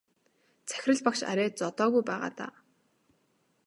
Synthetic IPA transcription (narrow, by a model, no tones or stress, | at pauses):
t͡sʰæ̥xʲɪrə̆ɮpakʃa̰ɾʲæːt̚t͡sɔt̪ɔːɣujpæːʁa̰ːt̪a̰ː